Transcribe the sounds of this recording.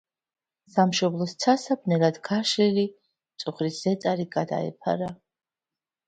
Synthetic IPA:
samʃɔblˠɔst̪sʰasap̚ʰnɛlad̪ɡaʃɛli | t̪sʼuχɾisz̥ɛt̪sʼaɾiɡad̪a̰ɛ̰pʰa̰ɾa

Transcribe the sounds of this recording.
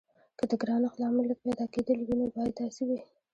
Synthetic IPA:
kəd̪əɡɾɑnaxlɑmɪlək̚pɛd̪ɑked̪əlwinobɑjad̪ːɑsiwi

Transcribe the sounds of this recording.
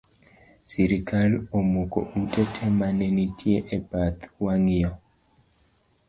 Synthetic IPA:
siɾikalomuko̰ʔutɛtʰɛmanenitʰjeʔebat̪waŋɪjɔ

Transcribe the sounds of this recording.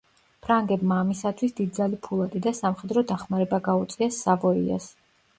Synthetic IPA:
pʰɾaŋɡɛbmaːmisat̪ʰwisd̪id̪d̪zalipʰulˠat̪ʼid̪asamχɛd̪ɾɔd̪aχmaɾɛbaɡaut̪sʼiasːavɔḭa̰s

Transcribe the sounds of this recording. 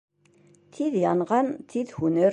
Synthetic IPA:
t̪ʰiðjɑnʁɑnt̪ʰiðhunəɾ

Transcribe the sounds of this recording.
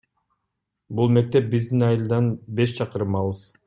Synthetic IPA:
bulˠme̞k̚t̪ep̚bizd̪inɑjɯlˠd̪ɑnbe̞ʃt͡ʃʰɑqɯɾɯmɑlˠɯz

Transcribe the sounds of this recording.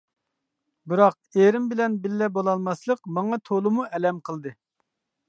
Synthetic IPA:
bɨɾɑq̚ | eɾɪmbɪlɛnbɪlːɛbolˠɑlˠmɑslˠəqmɑŋɑt̪ʰolˠɨmuɛlɛmqʰəlˠd̪ɨ

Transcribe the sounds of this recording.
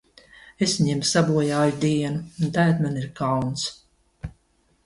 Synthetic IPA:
esɲɛmsabuɔjaːjud̪iɛnuːnt̪ajt̪maniɾkawns

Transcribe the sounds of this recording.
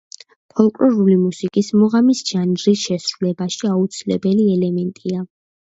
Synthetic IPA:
pʰɔlˠkʼlɔɾulimusikʼismɔʁamisʒand͡ʒɾisʃɛsɾulɛbaʃiaut̪sʰilɛ̰bɛliɛlɛmɛnt̪ʼia

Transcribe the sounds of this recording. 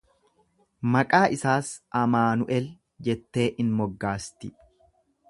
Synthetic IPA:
mɐkʼaːʔɪsaːsʔɐmaːnʊʔɛl | d͡ʒɛt̪ːe̞ːʔɪnmɔɡːaːst̪ɪ̰

